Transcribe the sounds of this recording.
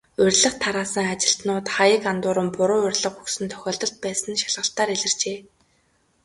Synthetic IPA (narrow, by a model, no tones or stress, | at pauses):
ʊrʲɮə̆χt̪ʰaɾaːsə̆ŋat͡ɕɪ̆ɬt̪nʊːt̪χajə̆kant̪ʊːɾə̆mpʊɾʊːɵrʲɮə̆χuksɘ̆nt̪ʰœ̥xʲɔːɮt̪ɞ̆ɬt̪̚pæːsə̆nʃaɮʁə̆ɬt̪aːɾiɮɘ̆r̥t͡ɕeː